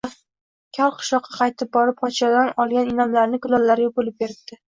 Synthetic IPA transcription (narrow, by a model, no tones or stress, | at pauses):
kʲʰalˠqʰɨ̥ʃɒqʰːɑ̥qʰɑjt̪ʰɪp̚bɒɾɪpʰɒt͡ʃad̪anɒlˠɡʲanɪnamlaɾnɪɡʊlɒlːaɾjobolɪp̚beɾɪb̚d̪̥ɪ